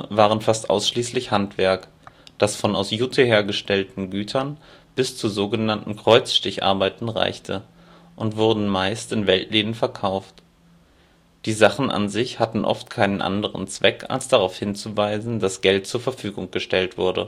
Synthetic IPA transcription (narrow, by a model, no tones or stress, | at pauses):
vaːʁ̞ənfastʔa̰ʊsʃliːslɪçhantv̥ɛɐk | d̥asfɔna̰ʊsjutʰeheːɐɡəʃtɛltn̩ɡyːtʰɐnb̥ɪst͡suzoːɡənantn̩kʁ̥ɔʏt͡sʃtɪçʔa̰ɐbaɪtn̩ʁa̰ɪçtʰə | ʔʊntv̥ʊɐdn̩maɪstɪnvɛltʰleːdən̩fɛɐkʰaʊft | d̥iːzaχn̩ʔa̰nzɪçhatn̩ʔɔ̰ftkʰaɪnənʔa̰ndəʁə̰nt͡sv̥ɛkʰa̰lsd̥aʁaʊfhɪnt͡suvaɪzn̩d̥asɡ̥ɛlt̚t͡suːɐfɛɐfyːɡʊŋɡ̥əʃtɛltv̥ʊɐdə̰